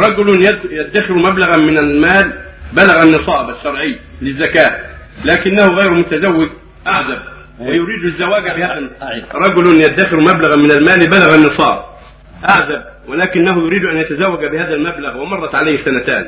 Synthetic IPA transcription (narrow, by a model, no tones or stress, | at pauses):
ɾˤɑɡʊljad̪ːaxɪɾmablaɣamɪnalmaːl | balaɣanːɨsˤɑːbaʃːɑɾˤʕɪjːlɪzːakaː | laːkɪnːahʊɣajɾmʊt̪azawːɪɡ | ʔaʕzab̚ | wɪjʊɾiːd̪ɪzːawaːɡabɪhaːðaɾˤɑɡʊlʊnjad̪ːaxɪɾmablaɣamɪnalmaːlbalaɣanːɨsˤɑ̰ːb | ʔaʕzab̚ | wɪlaːkɪnːaɦʊjʊɾiːd̪ʔanjat̪azawːaɡbɪhaːðalmablaɣwɪmɑrˤːɑt̪ʕalajhsanat̪a̰ːn